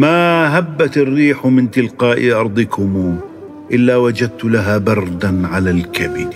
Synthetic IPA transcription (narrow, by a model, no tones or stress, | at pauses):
maɦabːat̪rːiːħmɪnt̪ɪlqɑːʔɪʔɑɾˤd̪ˤɨkʰʊmu | ʔɪlːawad͡ʒad̪̚t̪ʊlaɦaːbɑɾˤd̪anʕalalkabɪd